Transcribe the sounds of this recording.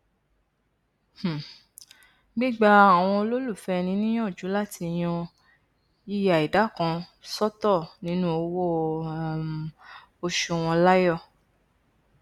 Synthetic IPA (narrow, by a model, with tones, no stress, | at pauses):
h̩˨ | ɡ͡bi˦ɡ͡ba˦a˨w̃ɔ̃˧o˧lo˦lu˦˨fɛ˦˧nĩ˨˦nĩ˦j̃ɔ̃˦˨d͡ʒu˨˦la˦˨ti˧j̃ɔ̃˧ | i˦˨ja˨i˨da˨˦˨kã˧sɔ˦tɔ˦˨nĩ˨˦nũ˦o˧wo˦˨ | o˧ʃu˧˨w̃ɔ̃˧la˦jɔ˦˨